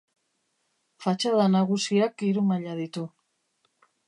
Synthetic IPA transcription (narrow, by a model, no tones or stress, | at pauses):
fat͡ʃað̞anaɣusiakiɾumaʎaðit̪u